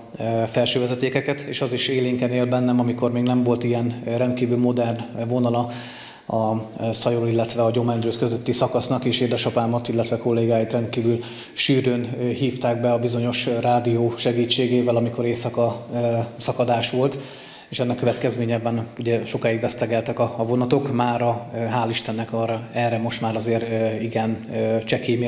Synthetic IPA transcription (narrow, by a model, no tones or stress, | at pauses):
fɛlʃøːvɛzɛt̪eːkɛkɛt̪eːʃɒziʃeːliːŋkɛneːlbɛnːɛmɒmiko̞rmeːɡnɛɱvo̞lt̪ijɛnɾɛnd̪̚kiːvylmo̞d̪ɛrnvo̞nɒlɒ | ɒsɒjolilːɛt̪ʋɛɒɟo̞mɛnd̪ɾøːt̪køzø̞t̪ːisɒkɒsnɒkeːʃeːd̪ɛʃɒpaːmɒt̪ilːɛt̪ʋɛko̞lːeːɡaːjit̪rɛnt̪̚kiːvyl | ʃyːɾøːnɦiːft̪aːɡ̚bɛɒbizo̞ɲo̞ʃraːd̪ijoːʃɛɡiːt͡ʃːeːɡeːvɛlɒmiko̞ɾeːsɒkɒ | sɒkɒd̪aːʃʋo̞lt̪ | eːʃɛnːɛkːøvɛt̪kɛzmeːɲɛbɛnuɟɛʃo̞kaːjiɡbɛst̪ɛɡɛlt̪ɛkɒːvo̞nɒt̪o̞kmaːɾɒɦaːliʃt̪ɛnːɛkɒːrɒɛrːɛmo̞ʃt̪maːɾɒzeːɾiɡɛnt͡ʃɛkeːme